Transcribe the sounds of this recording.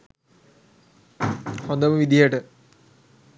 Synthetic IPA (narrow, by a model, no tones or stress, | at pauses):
hond̪ɐməʋid̪ijəʈə